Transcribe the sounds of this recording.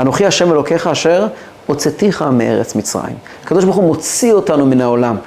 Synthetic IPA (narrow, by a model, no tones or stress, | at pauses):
ano̞χiaʃe̞me̞lo̞ke̞χaːʃe̞ʁ | o̞t͡set̪iχameʔe̞̰ʁet͡smit͡sʁa̰jḭm | akad̪oʃbaχumo̞t͡sio̞tanuminao̞lam